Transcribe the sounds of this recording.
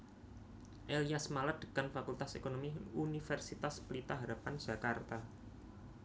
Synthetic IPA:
ʔeliasmalad̪̥ə̤̥kanfakult̪asekonomiunifɛrsit̪asplit̪aɦaɾapan̥d͡ʒ̥a̤kart̪a

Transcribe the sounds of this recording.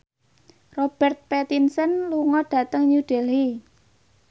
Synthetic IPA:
rob̥ɛrt̪̚pɛt̪insənluŋɔɖ̥ä̤t̪əŋɲuɖ̥ɛ̤lhi

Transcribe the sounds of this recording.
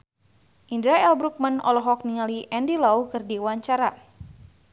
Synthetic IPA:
ʔindɾaɛlbɾuk̚manɔ̰lɔɦɔk̚niŋaliʔɛndilawkɨrdiwaɲt͡ʃaɾa

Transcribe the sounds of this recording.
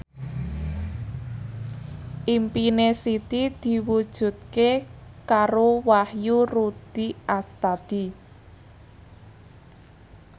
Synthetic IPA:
ʔimpinesit̪id̪̥i̤wud̥ʒ̥ṳt̪̚kekaɾowahjurud̪̥iʔast̪ad̪̥i

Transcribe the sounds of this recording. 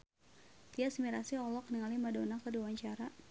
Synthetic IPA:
t̪iasmiɾasiɔlɔkniŋalimadonakədiwaɲt͡ʃaɾa

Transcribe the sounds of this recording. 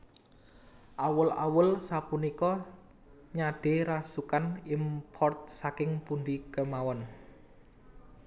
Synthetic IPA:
ʔawəla̰wəlsapunikɔ | ɲaɖ̥e̤ɾasukanimpʰɔrt̪̚sakɪŋpund̪ikəmawɔn

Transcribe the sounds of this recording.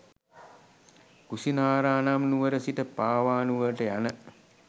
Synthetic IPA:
kusinaːɾaːnamnuʋəɾəsiʈəpaːʋaːnuʋəʈəjanə

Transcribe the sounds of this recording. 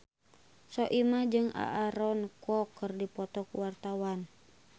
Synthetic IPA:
sɔʔimad͡ʒɨŋa̰ʔːɾɔnkɔkːɨrdipɔt̪ɔkuwart̪awan

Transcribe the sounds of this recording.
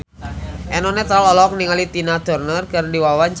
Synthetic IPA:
ʔɛnɔnɛt̪ɾalɔlɔk̚niŋalit̪inad̪ɔrnərkɨrdiwawant͡ʃ

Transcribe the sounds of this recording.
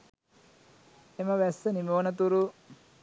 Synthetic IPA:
eməʋæsːənimoːnət̪uɾu

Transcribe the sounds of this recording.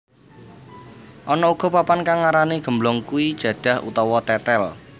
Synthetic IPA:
ʔɔnɔuɡ̥ɔ̤papankaŋaɾaneɡ̥ə̤mblɔŋkuid̥ʒ̥ä̤ɖ̥ä̤hṵt̪ɔwɔt̪ɛt̪ɛl

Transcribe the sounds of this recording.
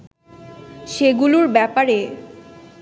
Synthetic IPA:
ʃeɡuluɾbɛpaɾe

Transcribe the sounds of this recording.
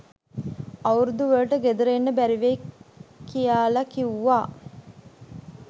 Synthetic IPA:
ɐwuɾud̪uʋəːʈəɡed̪uɾenːəbæɾiʋe | kijaːlɐkiuːaː

